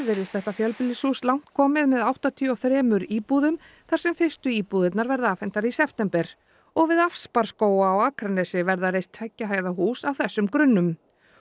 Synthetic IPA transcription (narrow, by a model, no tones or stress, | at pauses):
vɪɾɪst̪θɛht̪afjœlpɪlɪsuslawn̥t̪kʰɔːmɪðmɛðawht̪at̪ʰiɔθɾɛːmʏɾiːpuðʏm | θaɾ̥sɛmfɪr̥st̪ʏiːpuðɪt̪naɾvɛɾðaaːfɛn̥t̪aɾisɛft̪ɛmpɛɾ̥ | ɔɣvɪðafspaɾ̥skoːwaɔwaːkʰɾanɛsɪvɛɾðarejst̪ʰvɛcːaɦaːjðaɦuːsawθɛsːʏmkɾʏnːʏm